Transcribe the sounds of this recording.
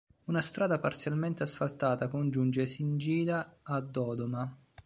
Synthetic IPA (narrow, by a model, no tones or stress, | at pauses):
unast̪ɾaːd̪apart̪sjalment̪easfalt̪aːt̪akond͡ʒund͡ʒesind͡ʒiːd̪aːd̪ːɔːd̪oma